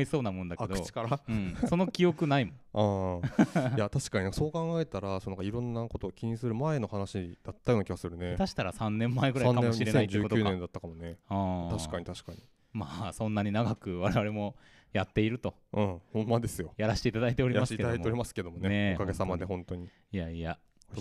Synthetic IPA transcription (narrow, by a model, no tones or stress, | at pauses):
iso̞ːnamõnd̪akd̪ɯot͡ɕi̥kaɾaɯ̃ːso̞no̞kʲio̞kɯ̟naimõa | jat̪aɕi̥kaɲinãkaso̞ːkãŋɡaet̪aɾasonãŋkaiɾõ̞nːakot̪oːkʲiɲ̟isɨɾɯ̟maeno̞hanaɕid̪̥at̪ːajonakʲiɡasɨɾɯ̟net̪aɕi̥t̪aɾasãnːẽ̞mːaeɡɯ̟ãnaeõɕiɾeeãid͡ʑːɨːkok̪oɨːnẽnd̪at̪ːakamoneat̪aɕi̥kaɲ̟it̪aɕi̥kaɲ̟i | maːsõ̞nːaɲ̟inaɡakɯ̟βaɾe̞βaɾe̞mo̞ | jat̪ːe̞iɾɯ̟t̪o̞ | ɯ̃ːhõ̞mːad̪e̞sɨjojaɾaɕi̥t̪e̞it̪ad̪ait̪e̞o̞ɾʲimaek̪ad̪aieoɾimasɨ̥ke̞d̪o̞moneekaɡesamad̪e̞ɦõ̞ntt̪o̞ɲ̟i | ijaia